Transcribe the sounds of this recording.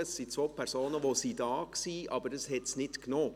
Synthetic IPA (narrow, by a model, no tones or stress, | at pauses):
əsːit͡sʋoːpʰɛɾsoːnəʋoːsidɑːksiːʔɑ̰bəɾdɑshɛtsnɪtknoː